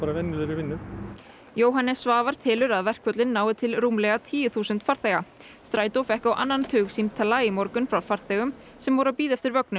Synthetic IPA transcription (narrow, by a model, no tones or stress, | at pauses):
aːɾavɛnːɪðɪɾɪvɪnːʏ | joːwɦanːɛsvaːvaɾ̥t̪ʰɪːlʏɾaðvɛr̥kʰvœt̪lɪnːaːwɪt̪ʰɪlruːmlɛɣat̪ʰiːjʏθuːsʏnt̪faɾ̥θɛɣa | st̪ɾaːjt̪owfɛhkawʔa̰nːant̪ʰʏːɣsint̪ʰalːaːjɪmɔɾkʏnfɾawfaɾ̥θɛːɣʏm | sɛmvɔɾawpiːðɛft̪ɪɾvœknʏm